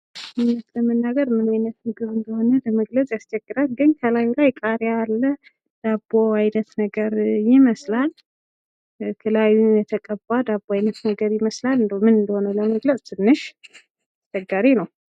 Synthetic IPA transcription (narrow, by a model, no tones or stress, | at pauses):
ajnət̪ləmənːaɡəɾmɨnajnət̪mɨɡɨβɨnd̪əho̞nələməɡlət͡sʼjast͡ʃʰɛɡːɨɾalɡɨnkʰəlajulajkʼaɾjaalːə | d̪̥abːoajnət̪nəɡəɾjɪməslal | kʰɨlajujɛt̪ʰəkʼəbːad̪abːoajnət̪nəɡəɾjɪməslalɨnd̪omɨnɨnd̪əho̞nələməɡlət͡sʼt̪ʰɨnːɨʃ | ast͡ʃɛɡːaɾinəw